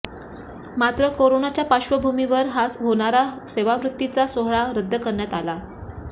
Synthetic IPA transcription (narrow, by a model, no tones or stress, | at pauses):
mat̪ɾəkoɾonat͡ɕjapaɕʋəbʱumiʋəɾɦasɦoɽ̃aɾa | seʋaʋɾut̪ːit͡sasoɦɭaɾəd̪ʱːəkəɾɳjat̪ala